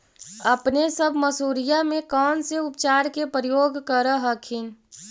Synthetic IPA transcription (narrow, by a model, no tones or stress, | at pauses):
əpnesəbʱməsuːɾijamẽkɔːnseʊpt͡ʃaːɾkepɾəjoːɡkəɾəɦəkʰin